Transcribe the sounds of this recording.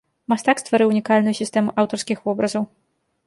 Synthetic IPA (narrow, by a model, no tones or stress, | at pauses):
mast̪akst̪vaɾɨwnʲikalʲnʊjusʲist̪ɛmuʔawt̪ɔrskʲixvɔbɾɐzɐw